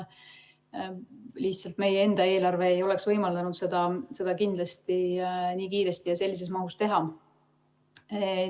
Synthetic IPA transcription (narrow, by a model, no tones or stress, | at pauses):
liht̪sɑlt̪me̞jee̞nd̪̥ɑe̞ːlɑrve̞ejo̞le̞ksvɤjmɑld̪̥ɑnud̪se̞d̪̥ɑse̞d̪̥ɑkind̪̥lɑst̪iniːkiːɾe̞st̪ijɑse̞lʲːis̬e̞smɑɦust̪e̞ɦɑ